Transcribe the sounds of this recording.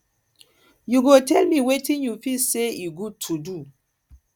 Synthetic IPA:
juɡotʰɛlmiwetĩnjufiseiɡud̚tʰudu

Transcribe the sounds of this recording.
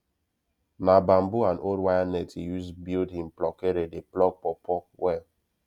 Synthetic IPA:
nabam̩buanʔodwajanɛtijusbildɦĩm̩plɔkeɾedeplɔɡ̚pɔpʰɔwɛl

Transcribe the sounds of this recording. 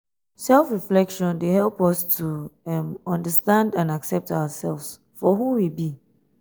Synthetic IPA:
sɛlfɹiflɛkʃɔ̃ndehɛlˠpɔstʰumɔ̃ndəstãndãnaksɛp̚tʰaʊəsɛlfs | fɔhuwibi

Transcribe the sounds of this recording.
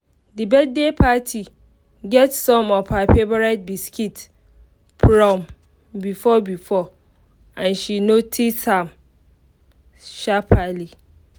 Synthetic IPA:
dɨbɛd̚depʰatʰi | ɡɛtsɔ̃mɔfhafebaɹat̚biskʰit | fɹɔ̃m | bifɔbifɔ | ãnʃinotʰisthãm | ʃapʰali

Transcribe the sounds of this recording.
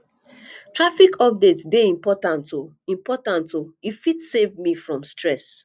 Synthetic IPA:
tɹafikʰɔp̚detsdeĩmpɔtãnto | ĩmpɔtãntoifitsevmifɹɔ̃mstɹɛs

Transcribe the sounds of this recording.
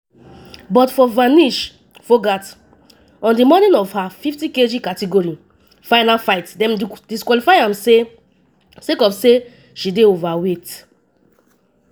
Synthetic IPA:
bɔtfɔvaniʃ | fɔɡat | ɔ̃ndimɔnĩnɔvhafiftĩked͡ʒikatiɡɔɹi | faɪnafaɪtdɛ̃mdiskwalifajãmse | sekɔfse | ʃideovawet

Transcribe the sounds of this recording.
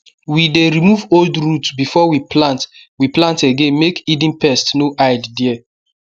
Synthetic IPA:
wideɹimuvoldɹutbifɔwiplãnt | wiplãnteɡẽnmekidĩnpɛstnoʔaɪddiɛ

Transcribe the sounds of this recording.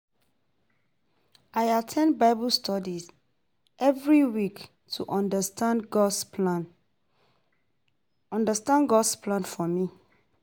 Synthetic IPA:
ʔajatʰɛ̃n̚baɪbɔlstʰɔdiz | ʔɛvɹiwik | tʰuʔɔ̃ndəstãnɡɔsplan | ɔ̃ndəstãnɡɔdspʰlãnfɔmi

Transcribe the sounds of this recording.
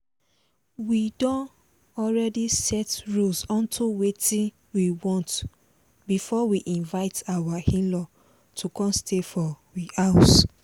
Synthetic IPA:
widɔ̃n | ɔlɹɛdisɛtɹulsɔ̃ntʰuwetĩn | wiwɔ̃nt | bifɔwiʔĩnvaɪtawahĩnlɔ | tʰukɔ̃nstʰefɔwias

